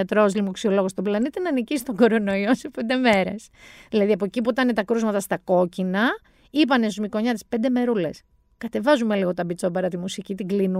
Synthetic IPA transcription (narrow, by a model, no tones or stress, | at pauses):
ɐt̪ɾozlimoksio̞lo̞ɣost̪oblɐnit̪inɐːnicisi̥t̪o̞ɡo̞ɾo̞no̞iosepe̞nd̪e̞me̞ɾe̞s | ðilɐðiɐpo̞ecipuit̪ɐnet̪ɐkɾuzmɐt̪ɐst̪ɐko̞cinɐ | ipɐnesuzmiko̞ɲɐt̪i̥spend̪eme̞ɾule̞̰s | kɐt̪e̞vɐzumeliɣo̞t̪ɐbit͡so̞bɐɾɐt̪imusicit̪iɡlinu